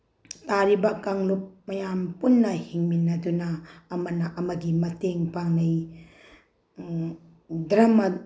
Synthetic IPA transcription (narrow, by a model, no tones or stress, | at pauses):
taɾibɐkaŋlup̚mɐjampunːɐhiŋminːɐdunɐːmɐnɐʔɐmɐɡimɐteŋpaŋnɐj | dɾɐmɐ